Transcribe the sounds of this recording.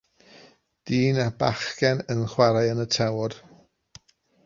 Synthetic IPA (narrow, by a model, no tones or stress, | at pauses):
d̥iːnabaχkɛnənχwaɾajənətʰɛwr